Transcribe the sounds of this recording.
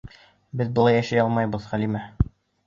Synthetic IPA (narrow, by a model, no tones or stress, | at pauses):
bɘðbɤ̆lˠɑjæʃæjɒlˠmɑjbɤðʁælimæ